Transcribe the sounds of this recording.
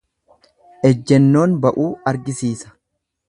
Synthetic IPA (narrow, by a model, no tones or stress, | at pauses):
ʔɛd͡ʒːɛnːo̞ːnbɐʔuːɐɾɡɪsiːsɐ̥